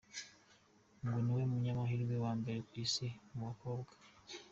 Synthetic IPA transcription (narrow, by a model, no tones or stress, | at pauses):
ŋɡuniwe̞muɲamaɦiɾɡewaːmbe̞ɾekwiːsemuβako̞ːbɡḁ